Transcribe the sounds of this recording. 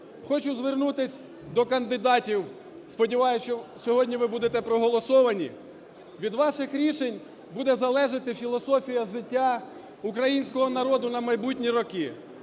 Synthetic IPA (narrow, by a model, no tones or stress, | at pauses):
xɔt͡ʃʊzʋernut̪ɪsʲ | d̪ɔkɐnd̪ɪd̪ɑtʲiw | spɔdʲiʋɑjʊst͡ʃɔsʲɔɦɔdʲnʲiʋɪbud̪et̪ɛpɾɔɦɔlˠɔsɔʋɐnʲḭ | ʋʲid̪ʋɑʃɪxɾʲiʃenʲ | bud̪ɛzɐlˠɛʒɪt̪ɪfʲilˠɔsɔfʲijɐʒɪtʲːa | ukɾɐjinʲsʲkɔɦɔnɐɾɔd̪ʊnɐmɐjbutʲnʲiɾɔki